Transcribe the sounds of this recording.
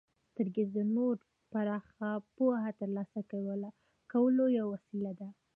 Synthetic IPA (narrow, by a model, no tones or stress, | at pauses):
t̪əɾɡezənoɾ | paɾɑxapoɦat̪əɾlɑsakawəla | kawəlojawwasilad̪a